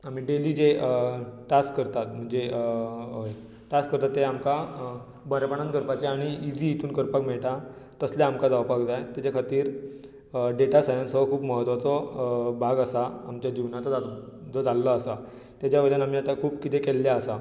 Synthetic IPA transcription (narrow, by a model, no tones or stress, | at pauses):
am̤iːɖeliːd͡ʑe | ʈaskːəɾt̪at̪m̤əɳd͡ze | ʈaskəɾt̪at̪ːeamka | bəɾapəɳ̃ãnt̪kəɾpat͡ɕeaɽ̃iid͡ʑiit̪uːnkəɾpakmɛɭʈ̪a | t̪əsljaamkad͡zawpaɡd͡zajt̪jat͡ɕakʰat̪iːɾ | ɖeʈasajənsɔkʰuːbməɦət̪ʋat͡sɔbʱaɡasaamt͡ɕjad͡ʑiʋnat͡sɔd͡zad͡zɔd͡zalːəːsa | t̪jat͡ɕjabəd̪ənam̤iːat̪akʰuːpkit̪ekɛlːjaəsa